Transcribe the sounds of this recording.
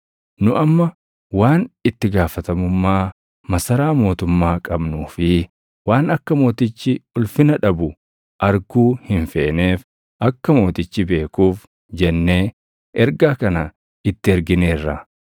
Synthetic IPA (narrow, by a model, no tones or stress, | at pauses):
nʊʔɐmːɐ | waːnɪt̪ːɪɡaːfɐt̪ɐmʊmːaː | mɐsɐɾaːmo̞ːt̪ʊmːaːkʼɐbnuːfɪ | waːnɐkːɐmo̞ːt̪ɪt͡ʃːɪʊlfɪnɐᶑɐbʊ | ʔɐɾɡuːhɪnfe̞ːne̞ːf | ʔɐkːɐmo̞ːt̪ɪt͡ʃːɪbe̞ːkuːf | d͡ʒɛnːeː | ʔɛɾɡaːkɐnɐ | ɪt̪ːɪɛɾɡɪne̞ːrːɐ